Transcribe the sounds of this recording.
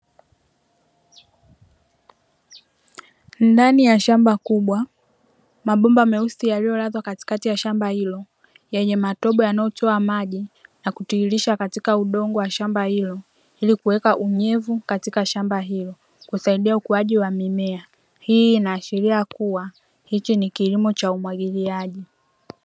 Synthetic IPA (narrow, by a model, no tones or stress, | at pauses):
ndanijaʃambakuɓwa | maɓɔmbamɛusijalijɔlaðwakati̥katijaʃambahilɔ | jɛɲɛmatɔɓɔjanajɔtɔamaʄinakutiːliʃakatikauɗɔŋɡɔwaʃambahilɔ | ilikuwɛkaʔuɲɛvukatikaʃambaɦilɔ | kusaiɗiaukuwaʄiwamimɛa | hiːnaːʃiɾiakuwa | hit͡ʃinikilimɔt͡ʃaumwaɠiliaʄi